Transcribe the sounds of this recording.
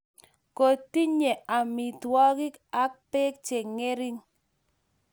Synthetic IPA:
ko˨ti˦ɲe˨a˨mi˨twɔ˦ɡɪ˦ka˦k̚pe˦k̚t͡ʃe˨ŋe˦ɾi˦ŋ

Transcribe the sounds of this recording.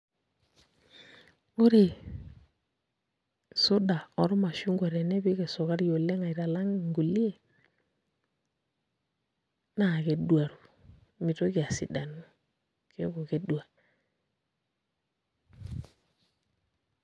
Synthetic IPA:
o˦ɾe˨ | su˦da˨ɔ˨ɾɔ˦ma˨ʃu˦ŋɡwa˨ɾe˨ne˦bi˦ke˨so˨ka˦ɾjo˨le˦ŋa˨i˨ɾa˨la˦ŋ˨ŋɡu˨li˦e˨ | na˦˨ke˨dwa˨ɾu˨ | mi˨to˦ki˨a˨si˨da˨nu˦ | ke˦ko˨ke˦dwa˨

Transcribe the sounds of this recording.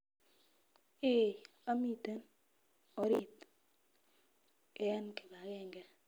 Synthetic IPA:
e˦˨ | a˦mi˦˨te˦n | o˨˦ɾi˦˨t | kɛ˦nke˨ba˨ɡe˦˨ŋɡɛ˦

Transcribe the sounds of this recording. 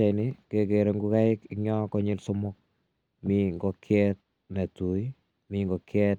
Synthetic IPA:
a˨nɪ˦ke˨ke˨ɾe˨ŋɡu˦ka˦ɪ˦kiɲɔ˦kɔ˦ɲɪ˦lso˦mʊ˦k̚ | mi˦ŋɡɔ˦kʰjɛt̚ | na˨tu˨i | miŋɡɔ˨kʰjɛ˦t̚

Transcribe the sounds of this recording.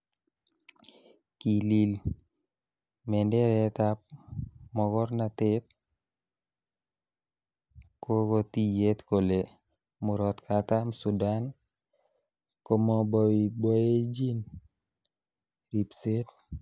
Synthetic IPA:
ki˨li˨l | mɛ˨nde˦ɾɛt̪ap̚mɔ˨kɔ˦ɾnat̪ɪ˦t̪̚ | ko˦ko˦t̪i˦je˦t̪ko˨le | mʊ˨ɾɔ˨t̪kʰat̪a˦msu˨da˦n | ko˦mɔ˦bɔ˨wi˨bɔ˦je˦d͡ʒi˦n | ɾi˨pse˦t̪̚

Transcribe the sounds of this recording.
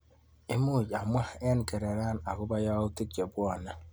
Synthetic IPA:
e˦mu˦˨d͡ʒa˨m˦a˦e˦n˨ke˨ɾe˨ɾa˦na˨kʊ˦ba˦ja˦u˦ti˦k̚t͡ʃe˨bʷɔ˦˨na˦

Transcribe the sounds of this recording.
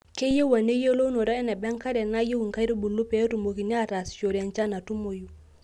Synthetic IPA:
ke˦je˦wa˨ne˦je˦lo˦no˨ɾa˦ɛ˦na˨bɛ˦ŋka˦dɛ˨na˦je˦wu˨ŋka˦jɾi˦bu˨lːu˦pe˨˦tu˨mo˨ki˨ni˦a˦ta˨st͡ʃo˨ɾa˦nt͡ʃa˦na˨tu˦mo˨ju˦˨

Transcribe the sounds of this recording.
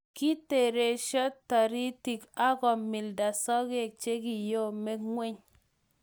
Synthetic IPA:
ki˦te˨ɾe˨ʃɔ˦tːa˨ɾi˦ti˨ka˦ɡɔ˨mːi˨lda˨sɔ˦ɡe˦˨k̚t͡ʃe˦ɡi˨jo˦me˦kŋwe˦ɲ

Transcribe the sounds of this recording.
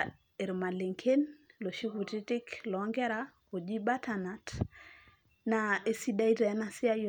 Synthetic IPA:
e˨ɾma˨le˨ŋkʰe˦nlo˨ʃi˦ku˨ti˦ti˦klɔ˨ŋɡɛ˦ɾa˦ko˨d͡ʒi˦ba˦tʰana˨t | nae˦si˦da˦i˦tɛ˨ɛ˦na˨sɪ˦a˦jo

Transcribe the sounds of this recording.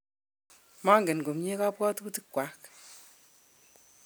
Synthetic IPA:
ma˦ŋɡe˨nɡo˨mɲe˦ka˦pwɔ˦tku˦ti˦kwa˨˦k

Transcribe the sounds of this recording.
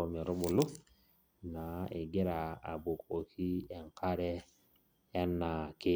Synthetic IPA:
o˨me˨ɾo˦bu˨lʊ˦ | na˨e˨ɡe˦ɾa˨a̰˨bu˨ko˨kʰi˦e˨ŋka˦ɾɛː˦ | nːa˨kɪ˦

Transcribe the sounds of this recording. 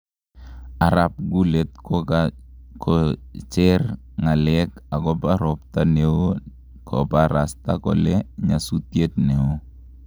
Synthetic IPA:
a˨ɾa˨p̚ɡu˦le˨t̪̚kɔkkʰɔt͡ʃɛ˦r | ŋa˨lɛka˨ɡɔ˦paɾɔ˨p̚ta˦ne˨o˦ | kʰɔ˨paɾa˨sta̰˦kɔ̰˨le˦ɲa˨su˦tje˦t̪̚ne˨o˦

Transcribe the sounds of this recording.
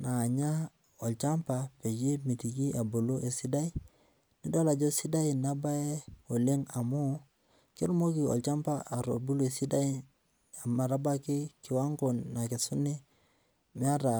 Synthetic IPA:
na˨ɲa˦ | ɔ˨lt͡ʃa˦mpa˨pe˨d͡ʒi˦mi˨ti˨ki˦a˨bo˨lo˦ʔe˨si˦da˦i˦ | ni˦do˦la˨d͡ʒo˦si˦da˦i˨na˦ba˦e˦o˨le˦ŋa˨mu˦ | ki˦ɾu˦mo˦ki˨ɔ̰˨lt͡ʃa˦mpa˦a˨ɾobu˦lo˦e˨si˦da˦i˦ | a˨ma˨ɾa˦ba˦kɪ˦kɪ˨wa˦ŋɡo˨nːa˨ke˨su˦ni˦ | mi˦a˦ɾa˨

